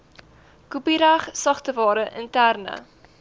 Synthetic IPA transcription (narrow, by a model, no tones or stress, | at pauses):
kupiɾæχsɐχtəvɑːɾəʔəntærnə̰